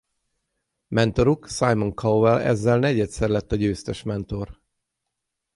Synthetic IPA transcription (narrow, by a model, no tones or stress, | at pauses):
mɛnt̪o̞ɾuksajmoŋkʰɒwvɛlɛ̰zːɛlnɛɟɛt̪sɛrlɛt̪ːɒɟøːst̪ɛʃmɛnt̪o̞r